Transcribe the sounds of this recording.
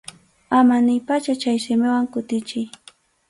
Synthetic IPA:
amanɪjpat͡ʃat͡ʃajʃɪmɪwaŋkʊt̪ɪt͡ʃɪj

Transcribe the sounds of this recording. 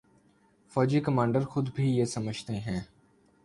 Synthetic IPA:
fɔːd͡ʒikəmãːɳɖəɾxʊd̪bʱijeːsəməd͡ʒʱt̪eɦɛ̃ː

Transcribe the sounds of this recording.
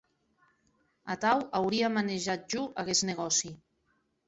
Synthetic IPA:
at̪awawɾiamaneʒat̪̚ʒuʔaɣezneɣɔsi

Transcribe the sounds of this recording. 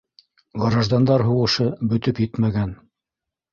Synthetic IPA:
ʁɤ̆ɾɑʒd̪ɑnd̪ɑɾɦuwɤ̆ʃɤbɵ̆t̪ɵpjɘt̪mæɡæn

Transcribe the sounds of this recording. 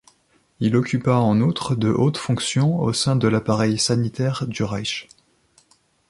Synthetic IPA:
ilɔkʲypaɑ̃nut̪χəd̪əʔot̪fɔ̃ksjɔ̃o̰sɛ̃d̪əlapaʁɛjsanit̪ɛʁd̪yʁaʃ

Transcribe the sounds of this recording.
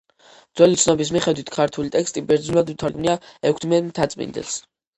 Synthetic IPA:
d̪zwɛlit̪sʰnɔbis̬miχɛd̪wit̪ʰkʰaɾt̪ʰulit̪ʼɛkst̪ʼibɛɾd̪znulad̪ut̪ʰaɾɡmniaɛkʷʰt̪ʰmɛnt̪ʰat̪sʼmḭnd̪ɛ̰s

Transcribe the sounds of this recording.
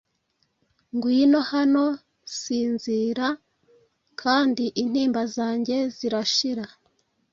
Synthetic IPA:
ŋɡwuiino̞hano̞ | siːnziːɾa | kʰaːndiʔin̥hiːmbazaːɲɟe̞ziɾaʃiɾa

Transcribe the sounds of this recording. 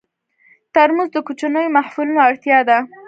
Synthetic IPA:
t̪aɾmuzd̪əkut͡ʃanəjomahfulunoaɽt̪jɑd̪a

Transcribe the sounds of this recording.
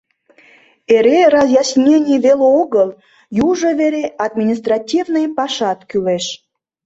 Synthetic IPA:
eɾerɑzjɑsʲnʲenʲijβeleoɣəl | juʒoveɾeʔɑd̪̚mʲinʲis̬t̪rɑtʲivnɨjpɑʃɑt̪kyleʃ

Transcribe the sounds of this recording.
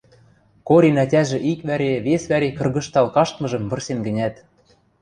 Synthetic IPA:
koɾʲinætʲæʒĕʔikβæɾeβesβæɾekɤ̆rɣɤ̆ʃt̪ɑlkɑʃt̪mɤ̆ʒɤ̆mβɤ̆rsenɡɘ̆nʲæt̪

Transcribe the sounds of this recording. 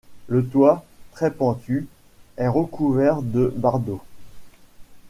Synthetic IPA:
lət̪wat̪χɛpɑ̃t̪ʰy | ɛʁəkuvɛʁd̪əbaʁd̪o

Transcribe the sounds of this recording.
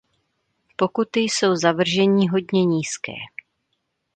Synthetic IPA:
po̞kut̪ɪjso̞wzavr̩ʒɛɲɪɦo̞dɲɛɲiːskɛ̰ː

